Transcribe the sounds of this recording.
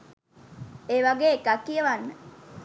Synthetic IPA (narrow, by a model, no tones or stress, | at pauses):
eːʋaɡeːkakːijəʋanːə